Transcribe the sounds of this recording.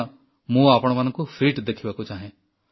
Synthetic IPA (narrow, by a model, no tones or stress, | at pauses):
mũaːpɽ̃ʋənkofɾiːʈd̪ekʰibakot͡ʃaːɦẽː